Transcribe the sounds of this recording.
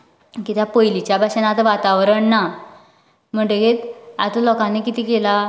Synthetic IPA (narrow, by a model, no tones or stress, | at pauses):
kit̪japojlit͡ɕjabʱaɕenat̪əʋat̪aʋɾəɳːa | m̤əɳʈeɡet̪a̰t̪əlɔkãnekit̪iːkela